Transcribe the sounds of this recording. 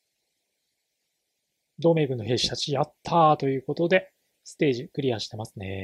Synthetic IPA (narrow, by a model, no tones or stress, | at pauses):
d̪o̞ːme̞ːɡɯ̟̃nːo̞ɦe̞ːɕi̥t̪at͡ɕijat̪ʰːat̪o̞jɯ̟ːko̞t̪o̞d̪e̞ | sɨ̥t̪e̞ːʑikɯ̟ɾʲiaɕi̥t̪e̞masɨne̞̰